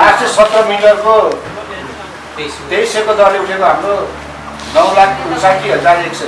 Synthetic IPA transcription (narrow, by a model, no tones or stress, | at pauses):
asesʌt̪rʌrmiʈʌrko | d̪ejsekod̪ʌrleuʈʰekoɦamro | nʌwlanusajkiʌd͡zaekt͡sʰʌ